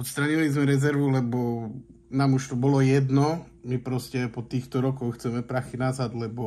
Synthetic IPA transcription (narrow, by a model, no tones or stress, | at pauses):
ɔt̪st̪ɾaɲiʋalizmɛɾɛzɛɾʋulɛbɔ | naːmuʃt̪ɔbɔlɔjɛd̪nɔ | mipɾɔscɛpɔt̪iːxt̪ɔɾɔkɔxxt͡sɛmɛpɾaxinazad̪lɛbɔ